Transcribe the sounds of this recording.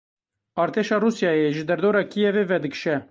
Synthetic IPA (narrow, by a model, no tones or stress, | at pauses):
ɑːɾt̪ʰeːʃɑːruːsjɑːjeʒɨd̪ɛɾd̪oːɾɑːkʰijɛveːvɛd̪ɨkʃɛ